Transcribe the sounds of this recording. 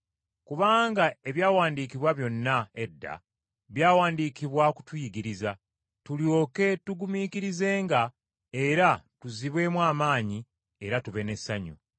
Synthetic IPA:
kuβaːŋɡae̞βjaːwaːndiːkiβwaβjo̞nːae̞dːa̰ | βjaːwaːndiːkiβwaku̥twujiɡiɾiza | tuljo̞ːke̞tuɡumiːkiɾize̞ːŋɡa | eɾatuziβwe̞ːmwaːmaːɲi | eɾatuβe̞ne̞sːaɲṵ

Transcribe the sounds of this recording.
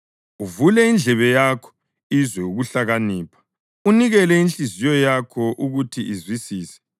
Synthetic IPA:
uvulɛind͡ɮʱɛβɛjakʰɔ̥ | izwɛuɣuɬaɣaniːpʰḁ | uniɣɛlɛinɬizijɔjakʰɔʔuɣutʰiʔizwisiːsɛ̥

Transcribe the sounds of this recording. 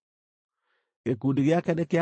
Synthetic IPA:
ekudiɣjakɛnɛkea

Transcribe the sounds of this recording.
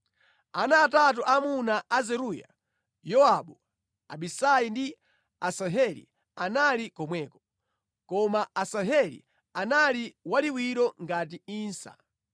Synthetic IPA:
anaːtat̬uʔamunaazɛɾuja̰ | jɔaɓu | a̰ɓisajindi | asaɦɛlḭ | analikɔmwɛːkɔ | kɔmaasaɦɛlḭ | analiwaliwiɾɔŋɡatiiːnsa̰

